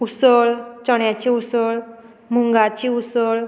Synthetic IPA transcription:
usəɭt͡ɕəɳjat͡ɕiusəɭ | muŋɡat͡ɕiusəɭ

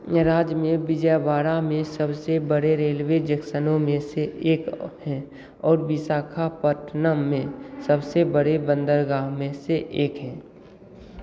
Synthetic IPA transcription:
ɾaːd͡ʒmẽbɪd͡ʒəbaːɾamẽsəbsebəɽeɾeːlwed͡ʒəksənõmẽseeːkhɛ̃ | ɔːɾbɪsaːkʰapəʈʰnəmẽsəbsebəɽebə̃nd̪əɾɡaːɦmẽseʔeːkɦɛ̃ː

